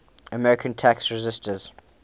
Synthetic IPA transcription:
əmɛɹɪkʰə̃ntʰaksɹɛzɪstəz̥

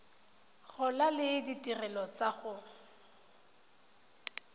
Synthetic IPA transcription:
ɣʊlalɪditʼirɛlɔt͡saɣʊ

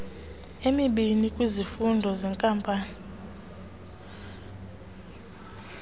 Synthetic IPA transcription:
emiɓinikʼwizifundʱɔzɛŋkʼampʼaːni

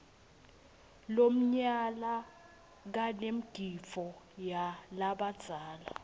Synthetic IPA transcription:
lom̩ɲala | k̬anem̩ɡ̥ʱifɔjalaɓad̥z̥ʱaːla̰

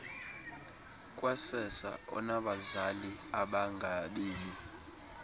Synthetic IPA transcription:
kʼwasɛsa̰ɔ̰naɓazaliaɓaŋɡʱaɓeːli

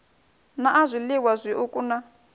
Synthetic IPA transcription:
naʔazʷiliwazʷiʔukʼuna

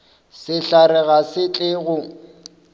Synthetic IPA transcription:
sɪɬarɛɣasɪt͡ɬʼɪɣʊ

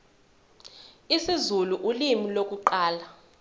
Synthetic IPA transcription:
isizuluʔulimilok̬ʼuǃaːla

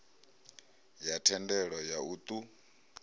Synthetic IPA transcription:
jatʰɛndɛɺɔjaut̪ʼu

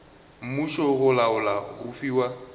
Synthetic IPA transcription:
m̩muʃɔɣʊlaʊlaɣʊfiːwa

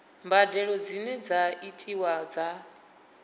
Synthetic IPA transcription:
mbadɛɺɔd͡zinɛd͡zaitʰʼiwad͡za

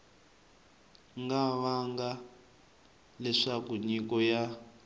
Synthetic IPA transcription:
ŋɡaβaŋɡa | lɛʂakuɲikɔja

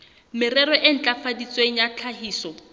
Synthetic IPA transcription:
mɪrɛɾɔʔɪn̩t͡ɬafadit͡sʼweŋ̩jat͡ɬʰaɦiːsɔ

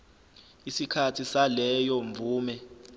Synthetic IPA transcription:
isikʰatʰisalɛjɔɱvuːmɛ

